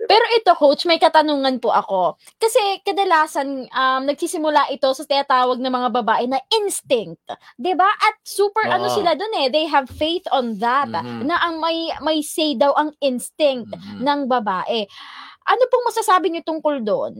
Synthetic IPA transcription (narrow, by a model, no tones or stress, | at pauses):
pɛːɾo̞ʔɪt̪o̞kowt͡ʃmɐjkɐt̪ɐnuːŋɐnpʊʔɐko̞ | kɐsɛkɐd̪ɐlaːsɐnʔɐmnɐɡ̚sisɪmʊlaʔɪt̪o̞sɐt̪ɪnɐt̪aːwɐɡ̚nɐŋmɐŋabɐbaːʔɛnɐʔɪnst̪ɪŋt̪̚d̪ɪbaʔɐt̪̚suːpɛɹʔɐnosɪlad̪onɛðejɦɐvfejθʔonðɐt̪nɐʔɐŋmɐjmɐjsɛjd̪ɐwʔɐŋɪnst̪ɪŋt̪̚nɐŋbɐbaːʔɛʔɐnopʊŋmɐsasaːbɪɲot̪ʊŋkold̪on